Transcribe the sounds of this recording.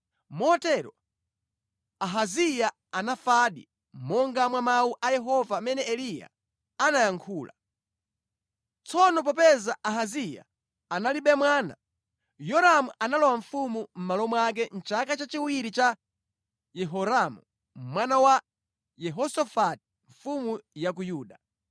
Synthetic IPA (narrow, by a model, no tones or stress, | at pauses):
mɔɔtɛɾɔ̰ | aɦazija | anafaɗḭ | mɔŋɡamwamauʔajɛɦɔvamɛnɛɛlija̰ | anajaŋkʰuːla̰ | t͡sɔnɔp̬ɔp̬ɛzaaɦazija̰ | analiɓɛmwaːna̰ | jɔɾamuʔanalɔwaɱ̩fumum̩malɔmɔak̬ɛn̩t͡ʃakat͡ʃat͡ʃiwiɾit͡ʃa | jɛɦɔɾamṵ | mwanawa | jɛɦɔsɔfati̥ | ɱ̩fumujak̬ujuːɗa